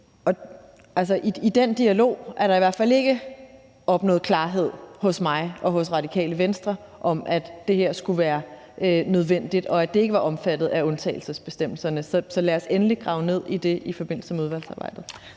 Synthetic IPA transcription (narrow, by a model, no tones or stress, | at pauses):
ʔɒ̽ | ælsɐʔiid̥end̥iælo̝̰ːʔæɐɾɑ̈iʋæɐ̰̥fæl̰e̝ɡ̥ə | ʔɒ̽b̥nɔ̽ːð̩ˠkʰlɑ̈ːɦe̝ð̞̰ˠhɔ̽smɑ̈ɪʔɒ̽ɦɔ̽sʁɑ̈dikʰɛ̰ːləʋensd̥ʁɐ | ʔɒ̽mʔæd̥ːe̝he̝ɐ̰sɡ̥uʋæːɐ | ʔønøð̞ˠʋen̰d̥id̥ɒ̽æd̥ee̝ɡ̥əʋɑ̈ʔɒ̽mfæd̥ð̩ˠæɔ̽nt͡sʰɛ̰ːɪl̩səsb̥e̝sd̥em̰l̩sɐnəsɒ̽sɒ̽læɐsenliɡ̥ʁɑ̈ʊne̝ð̞̰ˠid̥e̝ʔifɒ̽b̥e̝n̰l̩səmeuð̞ˠʋæl̰sɑ̈ːb̥ɑ̈ɪ̰d̥ð̩ˠ